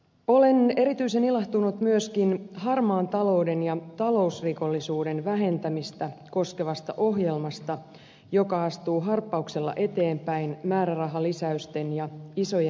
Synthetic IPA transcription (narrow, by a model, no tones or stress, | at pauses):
o̞le̞ne̞ɾit̪yise̞nilɑht̪unut̪myøskinhɑrmɑːnt̪ɑlo̞wde̞njɑt̪ɑlo̞usriko̞lːisuːde̞nʋæɦe̞nt̪æmist̪æko̞ske̞ʋɑst̪ɑ̰ʔo̞ɦjelmɑst̪ɑ | jo̞kɑɑst̪uːɦɑrpːɑukse̞lːɑ̰ʔe̞t̪e̞ːmpæinmæːɾærɑɦɑlisæyst̪e̞njɑiso̞je